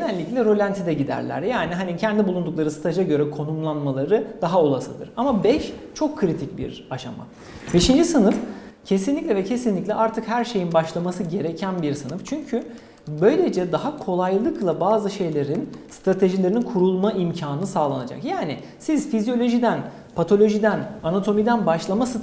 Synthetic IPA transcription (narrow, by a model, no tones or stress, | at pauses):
enɛlʲːiclʲɛɾo̞lʲant̪ʰid̪ɛɟid̪æ̰ɾlʲæ̰ɾjaːniɦanicʰɛnd̪ibulˠund̪uklˠaɾɯsɯ̥t̪ʰad͡ʒaɟø̞ɾɛkʰo̞numlˠanmalˠaɾɯd̪̥aɦao̞lˠasɯd̪ɯɾamabɛʃt͡ʃʰo̞kʰːɯɾit̪ʰic̚bḭɾaʃa̰ma̰ | be̞ʃind͡ʒisɯnɯfcʰe̞sinlʲicʲlʲɛvɛcʰe̞sinlʲicʲlʲɛʔaɾt̪ʰɯkhæɾʃe̞jinbaʃlˠamasɯɟe̞ɾecʰænbiɾsɯnɯft͡ʃʰyɲcʰy | bø̞jlʲe̞d͡ʒɛd̪aɦakʰo̞lˠajlˠɯklˠabaːzɯʃe̞jlʲe̞ɾinst̪ɾat̪ʰe̞ʒilʲe̞ɾininkʰuɾulˠmaʔimcʰaːnɯsaːlˠanad͡ʒa̰kjaːni | siz̥fizijo̞lʲo̞ʒid̪æn | pʰat̪ʰo̞lʲo̞ʒid̪ænanat̪ʰo̞mid̪ænbaʃlˠamasɯt̪